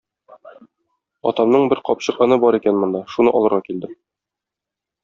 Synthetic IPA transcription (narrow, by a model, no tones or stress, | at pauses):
ɒ̰t̪ɑmnɤɴbɘɾqɒpɕɤ̆qɑnɤbɒɾikænmŏnd̪ɑʃunɤʔɒ̰lˠɤ̆ɾʁɑkild̪ɘ